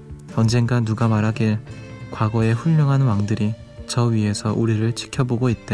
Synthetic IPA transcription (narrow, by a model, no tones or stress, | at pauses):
ʌnd͡ʑe̞ŋɡanːuɡamaɾɦaɡekwaɡʌe̞ɸuʎːʌŋɦanwaŋdɯɾi | t͡ɕʌɥiɦe̞sʰʌʔuɾiɾɯɭt͡ɕʰi̥kʰjʌboɡoit̚t͈e